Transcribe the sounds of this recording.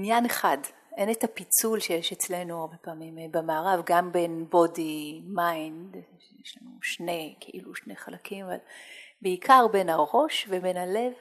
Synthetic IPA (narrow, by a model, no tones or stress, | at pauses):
injaneχad | ʔe̞netapit͡sulʃejeʃet͡slenuaʁbepaːmimebemaːʁavɡambe̞nbo̞dimajndʃejeʃlanuʃne̞kʰeʔiluʃne̞χalakimava̰lbeikʰaʁbe̞nhaʁo̞ʃvebe̞nhale̞v